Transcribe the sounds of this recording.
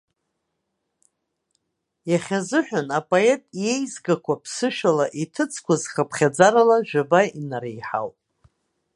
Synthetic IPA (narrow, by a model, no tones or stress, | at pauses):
jaχʲazɨħʷᶣanapʼoe̞tʼje̞jzɡakʷʰapʰsɨʃᶣalaʔitʰɨt͡sʰkʷʰazχapʰχʲad͡zaɾalaʒᶣabainaɾejħa̰wpʼ